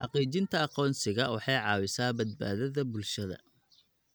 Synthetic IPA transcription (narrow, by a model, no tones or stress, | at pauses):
ħɑqiːt͡ʃɪnt̪ʰɐɑqɔːnsɪɣɐwɑħɑjʕɑːwɪsaːbɐd̪̚ba̰ːðɐðɐbʊlʃɐðɐ̰